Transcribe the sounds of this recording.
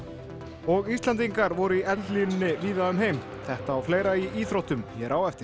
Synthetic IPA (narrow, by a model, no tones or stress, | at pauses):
ɔɣist̪lant̪̬iŋkaɾvɔɾʏiʔɛt̪llinnːɪviːðaʏmɦejm | θɛht̪aːwfleːjɾaiiːθɾowht̪ʏmçɛɾʔawɛft̪ɪ